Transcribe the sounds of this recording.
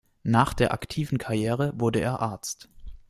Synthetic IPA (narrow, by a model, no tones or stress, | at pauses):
naːχd̥eːɐʔa̰ktʰiːvn̩kʰaɐjeːʁ̞əvʊɐdəeːɐʔaɐt͡st